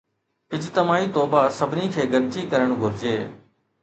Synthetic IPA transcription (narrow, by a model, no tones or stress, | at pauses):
ɦɪd͡ʒt̪əmaːiːt̪oːbaːsəbʱniːkʰeːɡəɾt͡ʃiːkəɾəɳ̃ɡʱʊɾd͡ʒeː